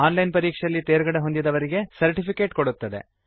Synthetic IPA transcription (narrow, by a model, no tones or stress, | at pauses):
aːnlɐjnpɐɾiːkʂeɐlːit̪eːɾɡɐɽeɦo̞nd̪id̪ɐʋɐɾiɡe̞sɐɾʈipʰikeːʈkoɽut̪ːɐd̪e̞̰